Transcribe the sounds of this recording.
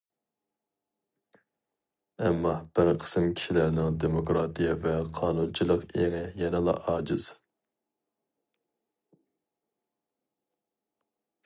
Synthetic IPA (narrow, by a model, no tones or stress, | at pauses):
ɛmːɑb̥ɪɾqʰə̥sɨmkʲʰi̥ʃilæɾnɪŋd̪emokɾɑt̪ʰijɑvɛqʰɑːnunt͡ʃʰilˠəqeŋɪjɛnɪlˠɑ̰ʔɑːd͡ʒɪz̥